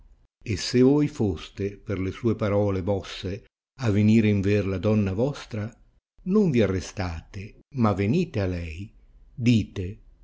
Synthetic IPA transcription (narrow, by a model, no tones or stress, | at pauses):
esːevɔjfost̪eperlesuːepaɾɔːlevɔsːe | aveniːɾeiɱverlad̪ɔnːavɔst̪ɾa | noɱviarːest̪aːt̪e | mavːeniːt̪ealɛj | d̪iːt̪e